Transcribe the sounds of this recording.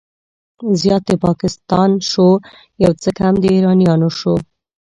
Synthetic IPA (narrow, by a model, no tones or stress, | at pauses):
zjɑt̪epɑkɪst̪ɑnʃo | jawt͡səkamd̪əiɾɑnjɑnoʃo